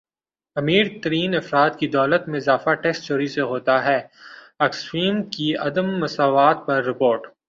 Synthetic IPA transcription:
ɐmiːɾt̪ɐɾiːnɐfɾaːt̪kid̪ɔːlət̪mẽɪzaːfaʈɛːs̚t͡ʃoːɾiseɦoːt̪aɦɛː | ɐkswiːmkiɐ̰d̪əmːɐsaːʋaːt̪̚pɐɾːɪpoːɾʈ

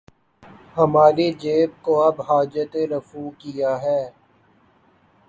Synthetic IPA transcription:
hɐmaːɾid͡ʒeːb̚koɐbɦaːd͡ʒət̪eɾəfuːkijaɦɛː

